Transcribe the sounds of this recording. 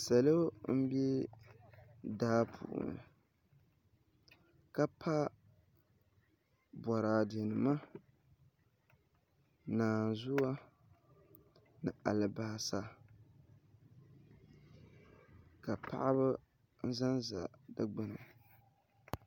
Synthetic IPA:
sa˨lo˦m̩˦bɛ˦ | daː˦pʰṵː˨ʔnɨ̰˨ | ka˦pʰa˦ | bɔ˨ɾaː˨de˨nɨ˨ma˦ | naː˨zʊ˦a˦ | nɨ˨a˨lɨ˨ba˨sa˨ | ka˨pʰa̰˨ʔa˦βɨ˦ | n̩˦za˦nza̰˨da˦ɡ͡bɨ˦nɨ˨

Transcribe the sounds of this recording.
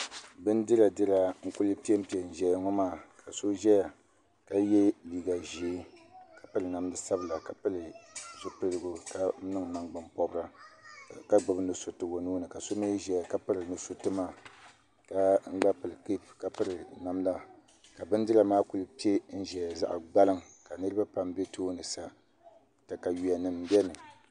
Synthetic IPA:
bɨ˦n˦dɨ˦ɾa˨dɨ˦ɾa˨ŋ̩˦ku˦lɨ˦pi˦e˦m̩˦pi˦ɛ˨n̩˨ʒɛ˨ja˨ŋɔ˦maː˦˨kʰa˨so˦ʒɛ˦ja˨ | ka˦jɛ˦liː˨ɡa˨ʒi˨˦ka˨pɨ˦lɨ˨na˨mdɨ˨sa˦bɨ˨la˨ka˨pɨ˦lɨ˨ʒi˦pɨ˦lɨ˦ɡʊ˦ka˦nɨ˦ŋ˨na˨ŋɡ͡ba˨mpɔ˨bɾa˦ | ka˦ɡ͡bɨ˨bɨ˦nɨ˨so˨tɨ˦wo˨noː˦nɨ˨ka˨so˦me˦ʒɛ˨ka˦pɨ˦ɾɨ˨nɨ˨so˨tɨ˦maː˦ | ka˦ŋ͡m̩˦ɡ͡ba˦pɨ˨lɨ˨ki˦pka˨pɨ˦ɾɨ˨na˨mla˦ | ka˨bɨ˦n˦dɨ˦la˨maː˦ku˨lɨ˦pi˦e˦n̩˦ʒɛ˨za̰˦ʔa̰˨ɡ͡ba˦lɨ˦m | ka˨nɨ˦ɾɨ˦ba˦pa˦mbe˦tʰoː˦nɨ˨sa˨ | ta˨ka˨ji˨a˨nɨ˨m˦bɛ˦nɨ˨

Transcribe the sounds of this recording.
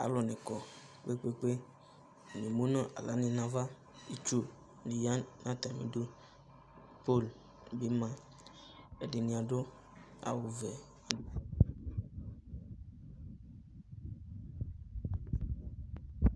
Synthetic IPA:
a̰˨lɔ˨nɛ̃˨kɔ˨ | k͡pe˦k͡pe˦k͡pe˦˨ | nẽ˨mũ˦nã˦ʔa̰˨lʔa˨˦nẽ˨nã˦va˦ | i˦t͡ʃu˦ | nĩ˨ja˦nã˦t̪ã˨mḭ̃˨do˦ | po˦˨l | be˨˦mã˨ | e˨ɖe˨nĩ˨a˨ɖo˦ | a̰˨wo˨vɛ˨ | a˨do˦

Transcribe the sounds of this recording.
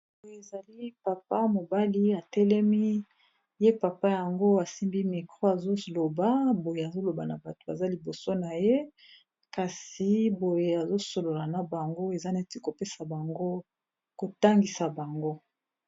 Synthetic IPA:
bo˨je˨e˨za˨li˦pa˨pa˦mo˨ba˦li˦a˨tɛ˦lɛ˦mi˦ | je˦pa˨pa˦ja˨ŋɡo˦a˨si˦mbi˦mi˨kʁo˦a˨zo˦lo˨ba˦bo˨je˨a˨zo˦lo˨ba˨na˨ba˨to̥˨a̰˨za˦li˨bo˨so˦na˨je˦ | ka˨si˨bo˨je˨a˨zo˦so˨lo˨la˨na˨ba˨ŋɡo˦e˨za˦na˦ti˦ko˨pe˦sa˨ba˨ŋɡo˦ | ko˨ta˦ŋɡi˨sa˨ba˨ŋɡo˦

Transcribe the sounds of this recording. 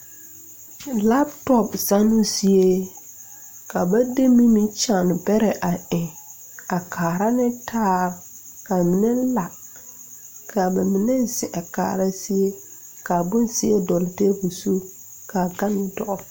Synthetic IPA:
la˦btɔ˦psa˦nʊ˦si˦e˦ | ka˨ba˦de˦mi˦mĩ˦t͡ʃa˦˨n˨bɛ˦ɾɛ˨ʔa˨ɪ̃˨ | a˨kʰaː˨ɾa˦nɪ˦tʰaː˦˨ɾ | ka˨mi˨ne˦la˨ | kʰa˨ba˨mi˨ne˦˨sɪ˨ʔa˨ka̰ː˨ɾa˦si˦e˦ | ka˨bʊ˦nsɪ˦e˦dɔ˨lɪ˨te˦bu˨su˦ | ka˨ɡa˦nɪ˨dɔ˦ʔɔ˦

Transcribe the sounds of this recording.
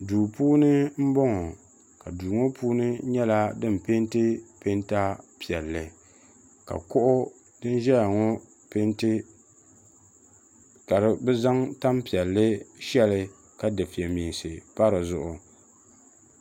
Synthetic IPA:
duː˨puː˦nɨ˦m̩˦bɔ˦ŋɔ˨ | ka˨duː˨ŋo˦pʰuː˦nɨ˦ɲɛ˦la˦dɨ˦m˨pe˦ntɨ˦pe˦nta˦pi˨ɛ˨lːɨ˨ | ka̰˨kʊ˦ʔʊ˦ | dɨ˦n˦ʒɛ˦ja˨ŋɔ˦ | pe˦ntɨ˦ | ka˨ɾɨ˨bɛ˦za˦ŋta˦mpi˨ɛ˨lːɨ˦ʃɛ˦lɨ˨ | ka˦dɨ˨fi˨ɛ˨miː˨nsɨ˨pa˦ɾɨ˨zʊ˦ʔʊ˨

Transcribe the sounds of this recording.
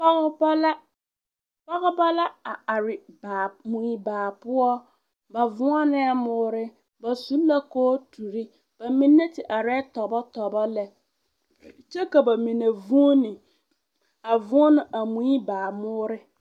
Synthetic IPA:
pa˦ɣba˦la˦ | pa˦ɣʊ˦ba˦la˦a˨a˨ɾɪ˨ba˨mũ˨i˨baː˨pʊ˦ɔ˦ | ba˨vʊ˦a˦nɪ̃˦ɛ˦mʊː˦ɾɪ˦ | ba˨sũ˦la˦kɔː˦tʰu˨ɾi˦ | b̥a˨mĩ˦nːɛ̃˦tʰɪ˨ʔa˨ɾɛ˦tʰɔ˨bɔ˦tʰɔ˨bɔ˦lɛ˨ | t͡ʃɛ˦ka˨ba˨mĩ˨na˨vũ˦nɪ̃˨ | a˨vʊ˦nʊ̃˦ʔa˨mũ˦i˦baː˨mʊː˦ɾɪ˦

